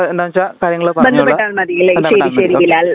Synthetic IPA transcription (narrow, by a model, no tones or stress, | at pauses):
end̪aːʋɐt͡ɕakaːɾjɐŋːɐɭopɐbend̪ʱɐpːeʈːaːɳɐmɐðijileʃeːɾiɕeːɾiʋilaːl